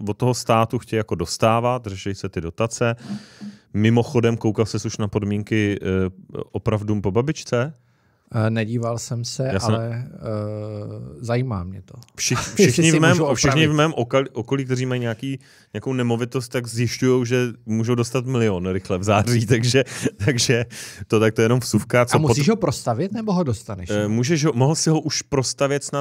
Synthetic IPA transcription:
vot̪ːoɦost̪aːt̪uxcɛjjako̞dost̪aːvat̪rɛʃɛjsɛt̪ɪdo̞t̪at͡sɛ | mɪmo̞xo̞dɛmkowkalsɛsuʃnapo̞dmiːŋkɪ | ʔopɾavduːmpo̞babɪt͡ʃt͡sɛ | nɛɟiːvalsɛmsɛjaːssɛɛ | zajiːmaːmɲɛt̪ofʃɪxfʃɪxɲɪvmɛːmfʃɪxɲɪvmɛːmʔokliʔoko̞liːk̚t̪ɛɾriːmajɲeakiː | ɲaakownɛmo̞vɪt̪ost̪̚t̪ːaɡzjɪʃcujo̞wʒɛmuːʒowdost̪at̪mɪlɪonɾɪxlɛvzaːriːt̪aɡʒɛt̪aɡʒɛt̪ot̪ak̚t̪ojɛno̞mfsufkat͡somusiːʒɦopɾost̪avɪt̪nɛboɦodost̪anɛʃmuːʒɛʃɦomoɦl̩sɪɦoʔuʃpɾo̞st̪avjɛt̪sna

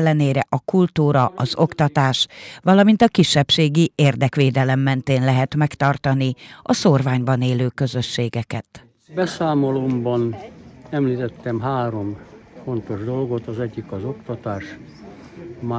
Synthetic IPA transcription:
lːɛneːɾɛʔɒkult̪uːɾɒʔɒzo̞kt̪ɒt̪aːʃʋɒlɒmint̪ɒkiʃːɛpʃeːɡieːrd̪ɛkʋeːd̪ɛlɛmːɛnt̪eːnlɛɦɛt̪mɛkt̪ɒrt̪ɒniʔɒsorvaːɲbɒneːløːkø̞zø̞ʃːeːɡɛkɛt̪ | bɛsaːmolombɒnɛmliːt̪ɛt̪ːɛmɦaːɾo̞mfo̞nt̪o̞ʒd̪o̞lɡo̞t̪ɒzɛɟːikɒzokt̪ɒt̪aːʃ | ma

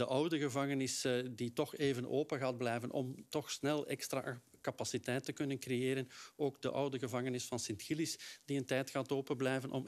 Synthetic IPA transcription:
dəʔʌwdəɣəvɑŋənɪsditɔxeːvənʔoːpəɣaːd̚blɛjvənʔɔ̰mtɔxsnɛlˠɛ̰kstɾa̰kapasitɛjtːəkɵnənkrejeːɾənoːɡ̚dəʔʌwdəɣəvɑŋənɪsfɑnsɪntxilɪsdiəntɛjtxaːtoːpənblɛjvənʔɔ̰m

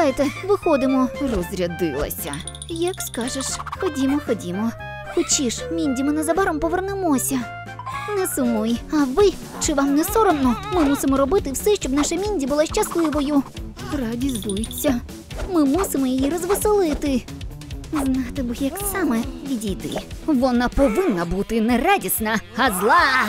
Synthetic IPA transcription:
ajɪt̪ɛʋɪxɔd̪ɪmɔrɔzɾʲɐd̪ɪlˠɐ̰sʲɐ | jɐkskɑʒeʃxɔdʲimɔxɔdʲimɔ | xɔt͡ʃʲiʃmʲinʲdʲimɪnɛzɐbaɾɔmpɔʋernɪmɔsʲɐ | nɛsʊmɔjɐʋɪ | t͡ʃɪʋamnɛsɔɾɔmnɔmɪmusɪmɔɾɔbɪt̪ɪwsɛʃt͡ʃɔbnaʃɐmʲinʲdʲibʊlˠaʃt͡ʃɐslˠɪʋɔjʊ | radʲizbujʊt͡sʲːɐ | mɪmusɪmɔjijiɾɔzʋɪsɪlˠɪt̪ɪ | znat̪ɪbɨjɐksamɛʋʲidʲit̪ɪ̰ʋɔnapɔʋɪnːɐbut̪ɪnɛɾadʲisnɐhɐzlˠɑ

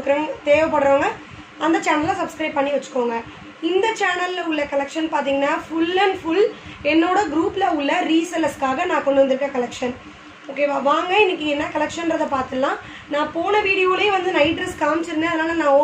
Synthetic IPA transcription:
kːɯɾɐːt̪eːʋɐpːɐɽɾoːŋɡɐ | ɐnd̪ɐt͡ʃaːnɐlːãːsɐbskɾɐɪb̚pɐɳːiʋɐt͡ʃːɯ̥kːoːŋɡɐ | ɪnd̪ɐt͡ʃaːnɐlʊɭːɐkɐlɛkʂɐnpaːɾt̪̬iːŋɡɐnːaːfʊlːɐnfʊlɛnːoːɽɐɡɾuːplɐʊɭːɐɾiːsɐlɐskaːɣɐnãːkɔɳɖɯʋɐnd̪ɯɾɯkːɾɐkɐlɛkʂɐn | oːkːeːʋaʋaːŋɡɐɪnːɪk̬ːɯɛnːaːkɐlɛkʂɐnɾɐðɐpaːɾt̪ɯɐlãː | nãːpoːnɐʋiːɽɪjoːlɐj̃ʋɐnd̪ɯnɐɪɖɾɛskaːmt͡ʃːɪɾɯnːeɐðɯnaːlɐnãːo

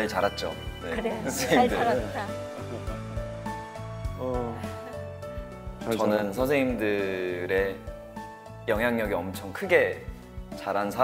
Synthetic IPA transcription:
ɭt͡ɕaɾat̚t͡ɕ͈ojeʌnsʰeŋidɯaɾat͈a | t͡ɕʌnɯnsʰʌnsʰeŋimdɯɾe̞ | jʌŋɦjaŋɲʌɡiʌmt͡ɕʰʌŋkʰɯɡe̞ | t͡ɕaɾansʰa

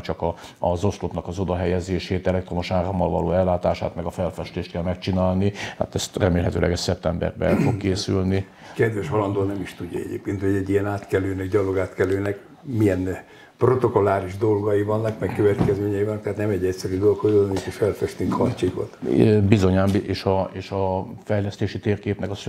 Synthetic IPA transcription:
t͡ʃɒkɒ | ɒzo̞slot̪nɒkɒzo̞d̪ɒɦɛjɛzeːʃeːt̪ɛlɛk̚t̪ro̞moʃaːromːɒlvɒloːɛlːaːt̪aːʃa̰ːt̪mɛɡɒfɛlfɛʃt̪eːʃt̪kɛlmɛkt͡ʃinaːlniha̰ːt̪ɛst̪rɛmeːlɦɛt̪øːlʔɛ̰ɡɛst̪sɛp̚t̪ɛmbɛ̰rbɛ̰ɛlfo̞kkːeːsylni | kɛd̪ʋɛʃɦɒlɒnd̪oːnɛmiʃt̪uɟːɒ̰ɛ̰ɟḛːpkeːnt̪ho̞ɟɛɟijɛnaːt̪kɛløːnɛɡɟɒloɡaːt̪kɛløːnɛk | mijɛn | prot̪o̞kolaːɾiʒd̪o̞lɡɒjivɒnːɒkmɛkkøvɛt̪kɛzmeːɲɛivɒnːkt̪at̪nɛmɛɟːɛcʲsɛɾyd̪olkhoonik̪eʃfɛlfɛʃt̪iŋkhɒrt͡ʃiko̰t̪bizo̞ɲaːmbʔeːʃɒeːʃɒfɛjlɛst̪eːʃit̪eːrkeːpnɛkɒs

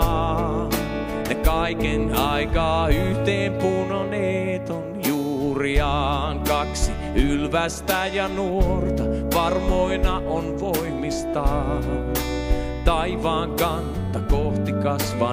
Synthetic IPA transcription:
nekɑikenɑikɑːyht̪eːmpunoneːt̪onjuːriɑːŋkɑksi | ylʋæst̪æjɑnuort̪ɑʋɑrmoinɑʔonʋoimːist̪ɑː | t̪ɑiʋɑːŋkɑntt̪ːɑkoht̪ikɑsʋɑ

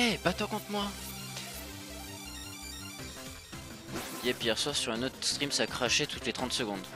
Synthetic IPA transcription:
ɛbat̪ɔ̃kɔ̃t̪mwa | jɛpijɛʁswaʁsyʁɛ̃not̪χst̪χimsaːkχaʃet̪ut̪let̪χɑ̃t̪səɡɔ̃d̪

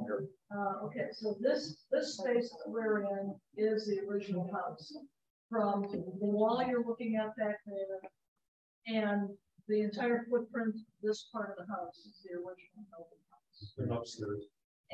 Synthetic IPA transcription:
ʌo̰ʊkʰeɪsoʊðɪsðɪspeɪsðəʔ̚wɪɹɪ̃nɪzðiə˞ɪd͡ʒɨn̩l̩ˠkʰaʊs | fɹʌ̃mtðəwaɪlˠjə˞lʊkɪ̃ŋɨt̪̚ðɨt̚mɪɾ | ɨ̃n | ðiɨ̃ntʰaɪə˞fʊd̚pʰɹ̥ɪ̃nðɪspʰɑɹɾʌvðəɦaʊsɨzðiə˞ɪd͡ʒnl̩ˠkʰobkʰaʊsʌpsə̰˞d

